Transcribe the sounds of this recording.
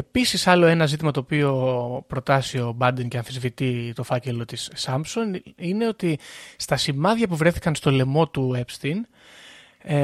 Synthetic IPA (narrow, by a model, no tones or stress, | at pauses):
e̞pisisɐlo̞e̞nɐzit̪imɐt̪o̞ːpio̞pɾo̞t̪ɐsio̞bɐnd̪ince̞ɐnθezvit̪it̪o̞fɐce̞lo̞t̪isɐmpso̞nine̞o̞t̪ist̪ɐsimɐðʝɐpuvɾe̞θi̥kɐnst̪o̞le̞mo̞t̪ue̞pst̪in